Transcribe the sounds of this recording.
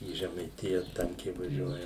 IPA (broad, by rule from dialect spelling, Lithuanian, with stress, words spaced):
iː ʒʲɛmɐɪˈtʲɪjɛ ˈtɐŋʲkʲɛɪ ʋɐˈʒʲuɔjɛ